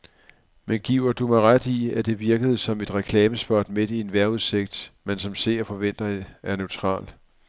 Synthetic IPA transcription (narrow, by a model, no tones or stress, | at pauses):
menɡ̥iʊ̰ɐd̥umɑ̈ɪʁad̥iæd̥e̝ʋiɐɡ̥əð̞̩ˠsɒ̽me̝d̥ʁɛkʰlɛːməsb̥ɒːd̥me̝d̥ie̝nʋæɐuðˠse̝ɡ̥̚d̥mensɒ̽mse̝ɐɐfɒ̽ʋen̰d̥ɐeæɐneʊt͡sʰʁɑ̰̈ːl